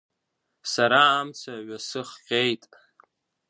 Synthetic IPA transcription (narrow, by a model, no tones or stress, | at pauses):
saɾaːmt͡sʰaɥasɨχqʲʼejtʼ